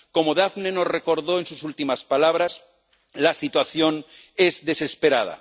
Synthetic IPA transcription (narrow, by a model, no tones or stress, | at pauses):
ko̞moðafnenosre̞ko̞ɾðoensusult̪imaspalaβ̞ɾas | lasit̪waθjon | ezðe̞sespeɾa̰ð̞a̰